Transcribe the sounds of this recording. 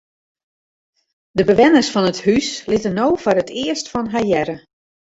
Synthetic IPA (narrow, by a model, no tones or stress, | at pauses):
dəbəʋɛnərsfɔnəthyslɪtənoːfɔɾətʰɪəstfɔnɦajɛɾə